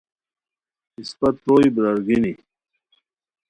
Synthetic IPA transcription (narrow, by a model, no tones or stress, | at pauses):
ispɐt̪̚poːibɾɐɾɡini